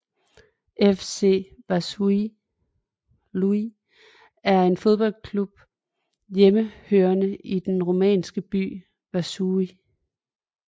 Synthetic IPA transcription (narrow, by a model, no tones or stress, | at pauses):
ʔefse̝̰ʋæsui | lui | æɐe̝nfo̝ð̞ˠb̥ɒ̽l̰kʰlub̥̚ | jeməhøːɐnəid̥enʁo̝mɛ̰ːnsɡ̥əb̥y̰ː | ʋæsui